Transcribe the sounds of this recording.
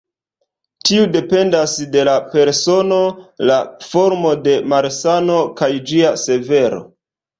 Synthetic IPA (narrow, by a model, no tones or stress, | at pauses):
tiude̞pe̞ndasde̞lape̞ɾso̞no̞lafo̞ɾmo̞de̞maɾsano̞kajd͡ʒiase̞ve̞ɾo̞̰